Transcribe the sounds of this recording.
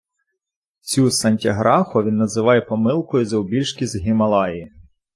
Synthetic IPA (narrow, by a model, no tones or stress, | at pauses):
t͡sʲusɐnʲtʲiɦɾɑxʊʋʲinːɐzɪʋɑjɛpɔmɪlˠkɔjʊzɐʊbʲilʲʃkʲizɦɪmɐlˠɑji